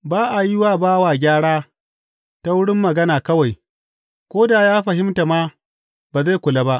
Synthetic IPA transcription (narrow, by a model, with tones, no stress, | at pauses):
baː˦ʔa˨ji˦waː˦baː˦waː˨ɡʲaː˦ɽaː˦ | ta˦wʊ˦ɽɪ˦mːɐ˨ɡɐ˦naː˨kɐ˦wa˨j | kʷoː˦daː˨jaː˦ɸɐ˨ɦɪ˦mta˨maː˦ | baː˨za˦˨kʷʊ˨la˦ba˦ʔ